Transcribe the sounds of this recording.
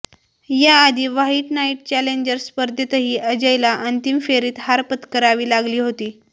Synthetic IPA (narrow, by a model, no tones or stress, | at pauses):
jaːd̪ʱiːʋaɦiːʈnaiʈ̚t͡ɕæleɲd͡ʑəɾspəɾd̪ʱjət̪əɦiːəd͡ʑəjlaʔənt̪imfeɾiːt̪haɾpət̪kəɾaʋiːlaɡliːɦot̪iː